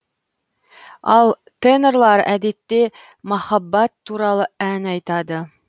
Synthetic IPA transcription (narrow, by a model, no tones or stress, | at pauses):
ɑlˠ | t̪eneɾlˠɑɾæd̪it̪ːe | mɒχɑbːɑt̪ːuɾɑlˠɤænɑjt̪ɑd̪ɤ